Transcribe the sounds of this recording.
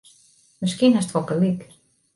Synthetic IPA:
mɪskiənastʋɔpəlik

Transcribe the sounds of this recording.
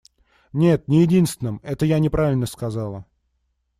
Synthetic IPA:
nʲe̞t̪nʲɪjɪdʲinst̪vʲɪnɨmɛt̪əjanʲɪpɾʔavʲɪlʲnəskɐzalˠə

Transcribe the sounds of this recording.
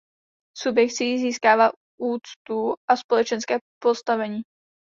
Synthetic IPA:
subjɛkt̪t͡sijziːskaːvaː | ʔuːt͡st̪uʔaspo̞lɛt͡ʃɛnskɛːpo̞st̪avɛɲiː

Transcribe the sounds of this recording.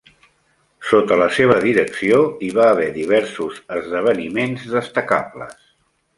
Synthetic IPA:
sot̪ələseβ̞əðiɾəksioiβaːβɛðiβ̞ɛɾsuzəzðəβ̞ənimenzðəst̪əka̰plə̰s

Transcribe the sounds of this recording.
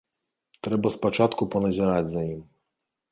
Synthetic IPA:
t̪ɾɛbɐspɔt͡ʂat̪kupɔnɐzʲɛɾad͡zʲzɐjim

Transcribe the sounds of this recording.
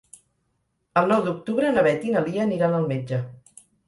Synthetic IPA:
əlˠnɔwd̪uk̚t̪uβɾənəβɛt̪inəlˠiəːniɾanəlˠmed͡ʒə

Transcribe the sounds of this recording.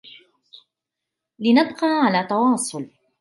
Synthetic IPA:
lɪnɑbqɑːʕalaːt̪ɑwɑːsˤʊl

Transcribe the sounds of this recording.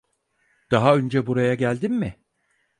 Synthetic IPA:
d̪̥aɦaønd͡ʒɛbuɾajaɟælʲd̪imːɪ

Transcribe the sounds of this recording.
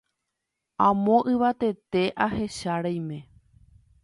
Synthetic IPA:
ãmõ̞ʔɨʋat̪e̞t̪e̞ʔahe̞ʃaɾajmẽ̞

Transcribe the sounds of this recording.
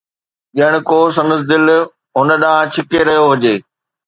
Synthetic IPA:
ɗiəɽ̃ɪ̆koːsɐ̃nəs̬d̪ɪl | ɦʊnə̆ɗaːãt͡ɕʰɪkeɾɐɦijoɦʊd͡ʑeː

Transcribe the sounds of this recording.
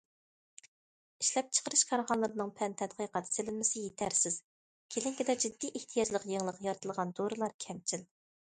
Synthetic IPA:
iʃlɛp̚t͡ʃʰə̥qəɾɨʃkʰɑɾʁɑnlˠɨɾɨnɨŋpʰɛnt̪ʰɛd̪qʰəjqɑd̪ɨ̥sɪlɪnmɪsɪjet̪ʰæɾsɪz̥ | kʲʰelɪŋkʲid̪ɛd͡ʒid̪ːiʔeht̪ʰijɑd͡ʒlˠəqjeŋlˠəqjɑɾt̪ʰɨlˠʁɑnd̪oɾɨlˠɑɾkʲʰɛmt͡ʃʰil

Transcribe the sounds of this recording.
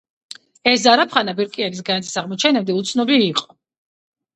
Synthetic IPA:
ɛszaɾapʰχanabɛɾkʼianis̬ɡanat̪ʰi̥saʁmɔt͡ʃʰɛnɛbd̪ɛut̪sʰnɔbiːqʼɔ

